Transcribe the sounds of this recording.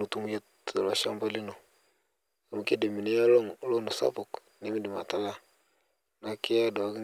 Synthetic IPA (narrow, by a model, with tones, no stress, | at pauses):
u˨tu˦m˦je˦t | ə˨la˨ʃa̰˦mba˦li˦no˨ | a˨m˨ke˦de˨mi˨ni˦ja˦lo˦ŋlo˦˨no˨sa̰˦pu˨k | ni˦mi˦di˨ma˨ta˨la˦ | na˦ki˦ja˦da˨a˦ki˦